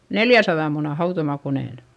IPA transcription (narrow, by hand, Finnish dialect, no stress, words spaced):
neljæsɑðɑ munɑ hɑutomɑkoneˑn